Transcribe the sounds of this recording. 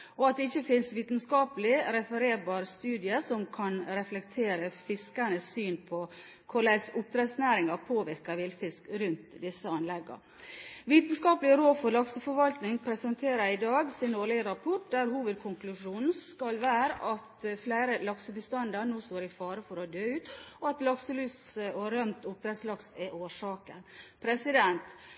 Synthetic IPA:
ɔɑt̪̚d̪ɛɪçːəfɪnsʋiːt̪ən̩skɑːpəlɪɾɛfəɾeːɾbɑːɾst̪ʉːd̪ɪəsɔmkʰɑnɾɛflɛkt̪ʰeːɾəfɪskɑnəsːyːnpʰɔ | kʰʊɭæsʊp̚t̪ʰɾɛt̪snæːɾɪŋɑpʰoːʋɪɾkəʋɪlfɪskɾʉnt̪d̪ɪsːəɑnlɛɡːə̰ | ʋiːt̪n̩skɑːpəlɪəɾoːfɔɾlɑksəfɔɾʋɑlt̪nɪŋpʰɾɛsɛnt̪ʰeːɾəɾɪd̪ɑːɡsɪnoːlɪɡəɾɑpʰɔʈ̚d̪æɾhuːʋəd̪̚kʰʊŋklʉʂuːnn̩skɑlʋæːɾəʔɑt̪flæɪɾəlɑksəbəst̪ɑnd̪ɑɾnoːst̪oːɾɪfɑːɾəfɔɾɔd̪øːʉːt̪ɔɑt̪lɑksəlʉːsɔɾœmt̪ʊp̚t̪ʰɾɛt̪slɑksɛʔoːʂɑːkənpʰɾɛsɪd̪ɛnt̪

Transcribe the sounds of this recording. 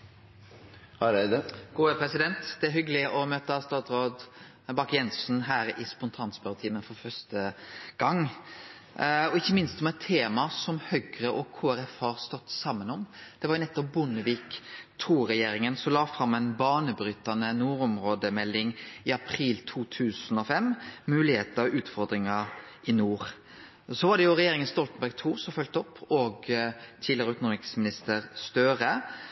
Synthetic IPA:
ɾd̪ɡ̥uːəpʰɾɛsɪd̪ɛnt̪d̪̥ɛæɾhʏɡəlɪʔɔmøːt̪əst̪ɑːt̪ɾoːd̪ | bɑkːjɛnsnɦæːɾɪspʊnt̪ʰɑːnsbœɾt̪ʰiːmənfɔɾfœst̪əɡ̥ɑŋ | ɔɪçːəmɪnst̪ɔmɛt̪ʰːeːmɑsɔmhœɡɾəʔɔkʰoːæɾɛfhɑɾst̪ɔt̪ːsɑmːənɔmd̪̥ɛʋɑɾjʊnɛt̪ːɔp̚bʊnəʋiːkt̪ʰuːɾɛjeːɾɪŋənsɔlɑːfɾɑmːɛɪnbɑːnəbɾʏt̪ːɑnənuːɾɔmɾoːd̪əmɛlːɪŋɪɑpʰɾiːlt̪ʰuːt̪ʰʉːsənɔfɛmmʉːlɪheːt̪əɔʉːt̪fɔɾd̪ɾɪŋɑ | ɪnuːɾ | sɔʋɑɖɛjʊɾɛjeːɾɪŋənst̪ɔlt̪ən̩bæɾɡ̚t̪ʰuːsɔfœlt̪ɔpʰːɔɡt̪ʰiːd̪lɪəɾəʉkʊnʊmɪksmɪnɪst̪əɾst̪œːɾə

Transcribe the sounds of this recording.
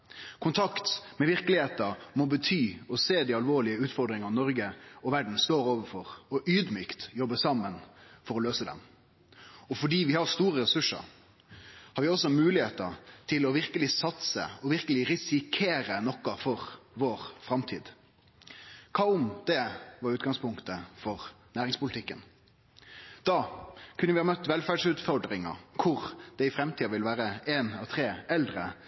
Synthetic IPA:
kʰʊnt̪ʰɑkt̪mɛʋɪɾkəlɪheːt̪əmɔbət̪ʰyːɔseːd̪iːɑlʋoːɭɪəʉːt̪fɔɾɖ̪ɾɪŋɑnɔɾɡəɔʋæɖn̩st̪oːɾoːʋəɾfɔɾɔʔyːd̪myːkt̪jɔbːəsɑmːənfɔɾɔløːsəd̪ɛ̰m | ɔfɔɖiːʋɪhɑɾst̪uːɾəɾɛsʉʂə̰ɾ | hɑɾʋɪɔsːɔmʉːlɪheːt̪ə̰ɾt̪ʰɪlɔʋɪɾkəlɪsɑt̪sə̰ɔʋɪɾkəlɪɾɪsɪkʰeːɾənɔkːɑfɔɾʋoːɾfɾɑmt̪ʰḭːd̪ | kʰɑːʊmd̪ɛʋɑɾʉːt̪̚ɡɑŋspʰʊŋkt̪əfɔʁnæːɾɪŋspʊlɪt̪ɪkːən | d̪̥ɑːkʰʉnəʋɪhɑːmœt̪ːʋɛlfæːɖʂʉːt̪fɔɾɖ̪ɾɪŋə̰kʰʊɾd̪̥ɛɪfɾɛmt̪ʰiːɑʋɪlʋæːɾəeːnɑʋt̪ʰɾeːɛld̪ɾə

